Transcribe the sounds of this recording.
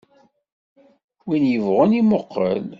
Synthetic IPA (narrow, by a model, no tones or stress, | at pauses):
winjəvʁənimoqːə̰l